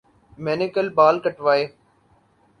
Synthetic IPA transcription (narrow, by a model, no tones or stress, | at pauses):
mɛːnɪkəlbaːlkəʈʋaːeː